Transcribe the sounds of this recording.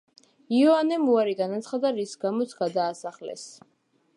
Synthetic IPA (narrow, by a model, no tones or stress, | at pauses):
iɔanɛmuaɾiɡanat̪sʰχad̪aɾisɡamɔt̪sʰɡ̥ad̪aːsaχlɛ̰s